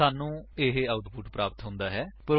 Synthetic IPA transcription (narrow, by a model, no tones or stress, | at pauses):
aːnũːeːɦeaːʊt̪pʰʊʈpɾaːpət̪ɦʊ̃nd̪aːɦɛːpəɾ